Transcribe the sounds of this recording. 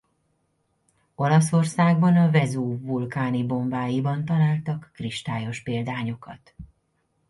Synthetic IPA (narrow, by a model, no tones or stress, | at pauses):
o̞lɒso̞rsaːɡbɒnɒvɛzuːvulkaːnibo̞mbaːjibɒnt̪ɒlaːlt̪ɒkːriʃt̪aːjo̞ʃpeːld̪aːɲo̞kɒt̪